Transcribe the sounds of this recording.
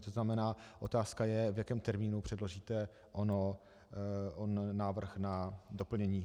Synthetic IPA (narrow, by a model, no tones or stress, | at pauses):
t̪oznamɛnaːʔo̞t̪aːskajɛvjakɛːmt̪ɛɾmiːnupr̥ɛdlo̞ʒiːt̪ɛ | ʔono | onːaːvr̩xnadopl̩ɲɛɲiː